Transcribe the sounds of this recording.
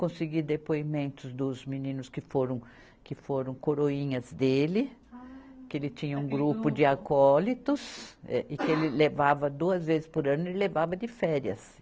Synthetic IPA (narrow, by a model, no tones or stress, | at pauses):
kõsɪɡid̪epoimẽnt̪ʊzd̪ʊzmĩnĩnʊskɪfoɾɐ̃w̃ | kɪfoɾɐ̃w̃koɾoĩɲɐzd̪elɪ | kɪelɪt͡ʃ̪ĩɲɐũɡɾupʊd͡ʒ̪ɪakɔlit̪ʊsɛ̰ʔɪkɪelɪlevavɐd̪uɐzvezɪspoɾɐ̃nʊelɪlevavɐd̪ɪfɛɾjɐ̰s